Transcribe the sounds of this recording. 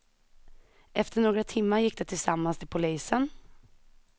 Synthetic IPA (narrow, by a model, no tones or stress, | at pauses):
ʔɛft̪ʰəɳoːɡɾat̪ʰɪmːaɾjɪkːd̪ɛt̪ʰɪlsamːanst̪ʰɪlpʰʊliːsən